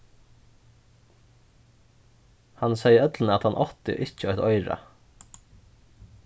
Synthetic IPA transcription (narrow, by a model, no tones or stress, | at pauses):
hansejəœt̪lənəat̪hanʔɔht̪ɪ̰ʔɪcəɔht̪ɔjɾa̰